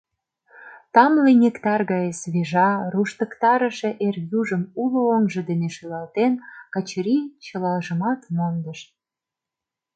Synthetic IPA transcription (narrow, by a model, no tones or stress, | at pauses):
t̪ɑmlenʲekt̪ɑrɣɑjesβeʒɑruʃt̪ə̆kt̪ɑɾə̆ʃĕʔerjuʒə̆mulooŋʒə̆d̪eneʃolɑlt̪enkət͡ɕɾit͡ɕə̆lɑʒə̆mɑt̪mond̪əʃ